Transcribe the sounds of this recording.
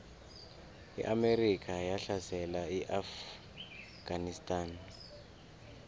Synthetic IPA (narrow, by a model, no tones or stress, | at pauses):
ḭʔamerikʰajaɬasɛlaiʔaf | ɡ̥anistʼan